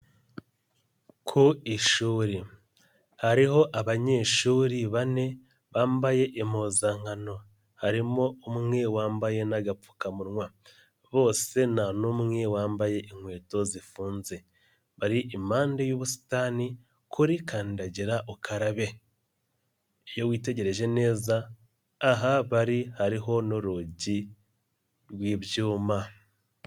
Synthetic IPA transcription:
kʰuiʃuːɾi | haɾiho̞ʔaβaɲe̞ːʃuːɾiβane̞ | βaːmbaje̞ʔimoːzaŋano̞ | haɾimo̞umŋe̞waːmbaje̞naɡap͡fu̥kamuɾŋwa | βo̞ːse̞nanumŋewaːmbaje̞ʔiŋhwe̞ːto̞zifuːnze̞ | βaɾiʔimaːndejoβusi̥taːni | kʰuɾikaːndaɟiɾaʔokʰaɾaβe̞ | ejo̞wiːte̞ɟe̞ɾe̞ʒe̞ne̞ːzaː | ɦaβaɾihaɾiɦo̞no̞ɾoɟi | ɾwiːβjuːma

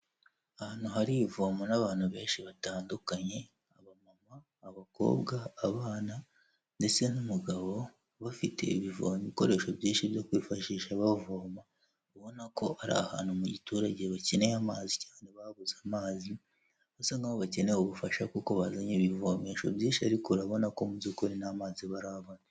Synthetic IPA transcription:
ahaːn̥uhaɾiivoːmonaβaːn̥huβe̞ːnʃiβataːndukaɲe̞ | aβamamaː | βako̞̰ːβɡaːβaːna | nde̞t͡se̞numuɡaβo̞ | βafite̞̰iβivo̰ːmiβiko̞ɾe̞ːʃo̞bjiːnʃiβjo̞kwiːfaʃiːʃaβavoːma | βuβo̞nako̞ʔaɾa̰ha̰ːn̥humuɟituːɾaɟe̞βacenejamaːzicaːneβaβuzamaːzi | βasaŋɡaβoβaceneoβufaʃakuko̞βazaɲeβivomeʃo̞̰bjiːnʃiaɾikuɾaβo̞nako̞muzukoɾinamaːziβaɾaβona

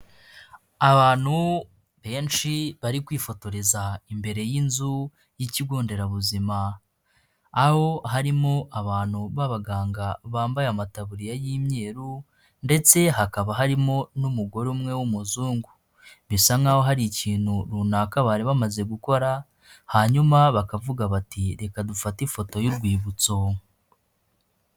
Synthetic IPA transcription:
aβaːn̥hu | βe̞ːnʃiβaɾikwiːfo̞to̞ɾezaimbe̞ɾe̞jinzu | jiciɡoːnde̞ɾaβuzima | ho̞ɦaɾimo̞ʔaβaːn̥huβaβaɡaːŋɡaβaːmbajamataβuɾijajimɲe̞ːɾu | nde̞t͡se̞ɦakaβaɦaɾimo̞numuɡo̞ɾeumŋe̞wumuzuːŋɡu | βisaŋaho̞ɦaɾiciːn̥huɾunakaβaːɾiβamaze̞ɡuko̞ɾa | haɲumaβakavuɡaβatʰiɾe̞kadufatifo̞to̞juɾɡwiːβut͡so̞

